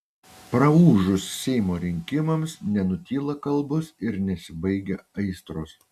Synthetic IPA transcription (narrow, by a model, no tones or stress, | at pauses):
pɾɐuːʒʊsːʲɛɪmoːɾʲɪŋʲkʲɪmɐmsnʲɛnʊt̪ʲiːlˠɐkɐlˠbʊsɪɾnʲɛsʲɪbɐɪɡʲeɐɪst̪ɾoːs